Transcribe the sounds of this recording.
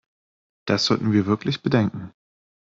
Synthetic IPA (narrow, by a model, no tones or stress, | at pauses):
d̥asz̥ɔltn̩viːɐvɪɐklɪçb̥ədɛŋkŋ̩